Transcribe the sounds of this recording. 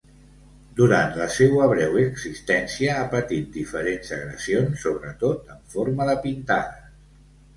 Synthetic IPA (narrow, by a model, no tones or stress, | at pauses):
d̪uɾant̪ləsewəβɾɛwəɡzist̪ɛnsiəapət̪it̪̚d̪ifəɾenzəɣɾəsionsːoβɾət̪ot̪əɱfoɾməðəpint̪aðə